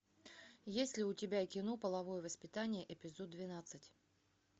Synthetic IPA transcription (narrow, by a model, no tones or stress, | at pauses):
jesʲlʲɪʊtʲɪbʲakʲɪno̞pəlˠɐvo̞jəvəspʲɪt̪anʲɪjəʔɪpʲɪzot̪̚d̪vʲɪnat̪sɨtʲ